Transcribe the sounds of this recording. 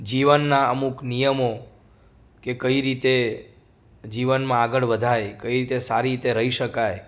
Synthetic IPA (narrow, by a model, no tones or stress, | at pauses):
d͡ʒiʋənːaəmuknijəmo | kekəiɾit̪e | d͡ʒiʋənmãaɡəɭʋəd̪ʱajkəiɾit̪esaɾit̪eɾəɦiʃəkaj